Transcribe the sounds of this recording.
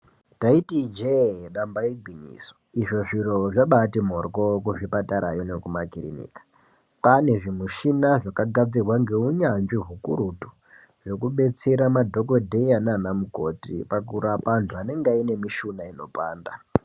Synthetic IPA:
taitid͡ʒeɗambaiɡʱwiɲḭso̥iʐo̞ʐiro̞ʐaɓatimorkokuʐipataɾa̰jonekumakirḭnḭːkḁ | pane̞ʐimuʃinaʐakaɡʱad͡zirwaŋɡe̞uɲanʐiɦukuɾutu̥ | ʐo̞kuɓe̞t͡se̞ɾamadʱo̞ko̞dʱe̞jananamuko̰tḭpakuɾapantʰuaneŋɡaine̞miʃunaino̞̰pa̰ːnda

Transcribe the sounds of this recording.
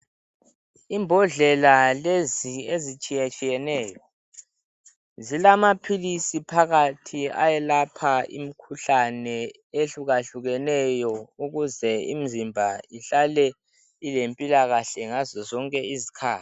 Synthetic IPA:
imbʱɔɮɛlaleziezit͡ʃʼijat͡ʃʼijɛnɛːjɔ | zilamapʰilisipʰaɣatʰia̰jɛlapʰaḭm̩kʰuɬanɛ | eɬuɣaɬuɣɛnɛjɔuɣuzɛim̩zimbʱaiɬalɛ | ilempʼilaɣaɬɛŋazɔzɔŋkʼɛizikʰaːti̥

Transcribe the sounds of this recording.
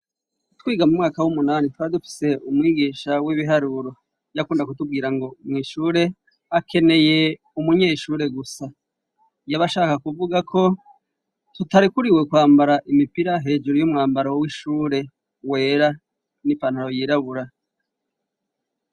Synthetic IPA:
twiːɡamumŋaːkawumunaːnitwaidufi̥se̞umŋiːɡiːʃawiβiɦaɾuɾo̞ | jakuːndakutub̚ɡiːɾaŋɡo̞mŋiːʃuːɾe̞ | akʰe̞ne̞je̞ | umuɲeːʃuːɾe̞ɡusa | jaβaʃaːkakuvuɡakʰo̞ | tutaɾikuɾiwe̞kwaːmbaɾaʔimipiɾaɦe̞ːd͡ʒuɾojomŋaːmbaɾawiʃuːɾe̞ | we̞ːɾa | nipanhaɾo̞jiːɾaβuɾa

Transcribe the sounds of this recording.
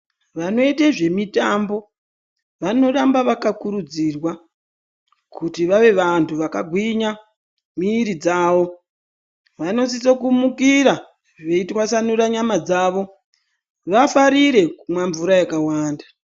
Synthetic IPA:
ʋano̞iteʐe̞mitambo̞ | ʋano̞rambaʋakakuɾud͡zirwa | kutiʋaʋe̞ʋantʰuʋakaɡʱwiɲa | miːɾid͡zaːʋo̞ | ʋano̞sisokumukiɾa | ʋeitwasanuɾaɲamad͡zaːʋo̞ | ʋafaɾiɾe̞mwaɱvuɾajakawaːndḁ

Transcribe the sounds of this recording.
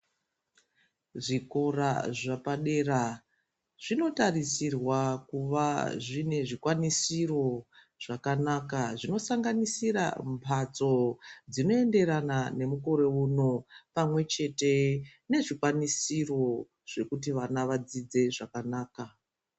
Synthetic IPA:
ʐiko̞raʐapaɗe̞ra | ʐ̥ino̞tarisirwakuʋaʐine̞ʐikwanisiro̞ | ʐ̥akanakaʐino̞saŋɡanisira̰mpʰat͡so̞d͡zino̞e̞nde̞ɾanane̞muko̞ɾe̞uno̞pamwe̞t͡ʃe̞te̞ne̞ʐikwanisiro̞ | ʐ̥e̞kut̬iʋanaʋad͡zid͡ze̞ʐakanaːka

